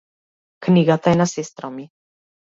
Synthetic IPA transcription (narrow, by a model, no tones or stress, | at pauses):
kniɡat̪aɛnasɛst̪ɾɔmi